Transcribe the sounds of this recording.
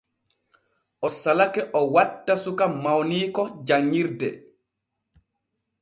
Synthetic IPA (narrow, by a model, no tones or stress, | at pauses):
ʔɔsalakɛʔɔwatːasukamawniːkɔd͡ʒaŋːiɾdɛ̰